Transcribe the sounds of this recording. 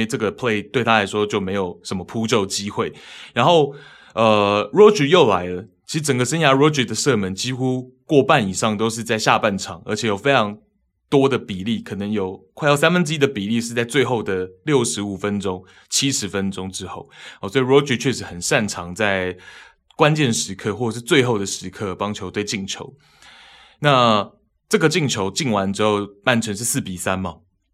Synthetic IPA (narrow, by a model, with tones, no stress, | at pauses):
ʈ͡ʂɤ˥˩ɡə˩pʰle˥˧ɪt̪we˥˩ɪt̪ʰa˥la˧˥ɪʂwɔ˥t͡ɕjo˥˩ʊme˧˥ɪjo˨˩ʊʂə˧˥nmə˧pʰu˥t͡ɕjo˥˩ʊt͡ɕi˥xwe˥˩ɪɻa˧˥nxo˥˩ʊ | ə˧ɻɔ˥t͡ɕy˨˥jo˥˩ʊla˧˦˥ɪlə˧t͡ɕʰi˧˥ʂɻ̩˧˥ʈ͡ʂə˨˩ŋɡə˩˦ʂə˥nja˧˥ɻɔ˧˥t͡ɕy˨˩d̪ə˩sɤ˥˨mə˧˥nt͡ɕi˥xu˥kwɔ˥˧pa˥˨ni˨˩ʂɑ˥˩ŋt̪o˥ʊʂ̬ɻ̩˥˧t͡sa˥˧ɪɕja̰˥˧pa˥˨˩nʈ͡ʂʰɑ˨˩˦ŋə̰˞˧˥t͡ɕʰɛ˨˩˦jo˨˩fe˥ɪʈ͡ʂʰɑ˧˥ŋ | t̪wɔ˥d̪ə˨pi˨˩li˥˩kʰɤ˨˩nə˧˦ŋjo˨˩ʊkʰwa˥˧ɪɑ˥˧ʊsa˥nfə˥˦nʈ͡ʂ̩˥i˥d̪ə˨pi˨˩li˥˧ʂɻ̩˥˧t͡sa˥˧ɪt͡swe˥˧ɪxo˥˩ʊd̪ə˩ljo˥˩ʊʂɻ̩˧˦u˨˩fə˦˥nʈ͡ʂo˥ŋ | t͡ɕʰi˥ʂɻ̩˧˥fə˦nʈ͡ʂo˥ŋʈ͡ʂɻ̩˥xo˥˩ʊɔ˨˩swɔ˧˥i˨˩ɻɔ˧˥t͡ɕy˨˥t͡ɕʰɥɛ˥˩ʂɻ̩˧˥xə˨˩nʂa˥˩nʈ͡ʂʰɑ˧˥ŋt͡sa˥˩ɪ | kwa˦nt͡ɕjɛ˥˩nʂɻ̩˧˥kʰɤ˥˧xwɔ˥˩ə˨˩ʂ̬ɻ̩˥˧t͡swe˥˧ɪxo˥˩ʊd̪ə˩ʂɻ̩˧˥kʰɤ˥˧˨pɑ˥ŋt͡ɕʰjo˧˥ʊt̪we˥˧ɪt͡ɕi˥˩ŋt͡ɕʰjo˧˦ʊ | na˥˨ | ʈ͡ʂɤ˥˩ɡə˩t͡ɕi˥˩ŋt͡ɕʰjo˧˥ʊt͡ɕi˥˩nwa˧˦nʈ͡ʂɻ̩˥xo˥˧ʊma˥˩nʈ͡ʂʰə˧˥ŋʂɻ̩˥˧s̩˥˩pi˨˩sa˦nmɐ˨˩